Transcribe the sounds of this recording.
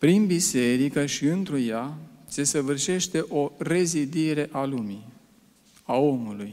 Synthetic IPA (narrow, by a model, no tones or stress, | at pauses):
pɾinbise̞ɾikəʃiɨnt̪ɾujase̞səvɨrʃe̞ʃt̪e̞ʔo̞re̞zid̪iɾe̞ʔalumi | ao̞muluj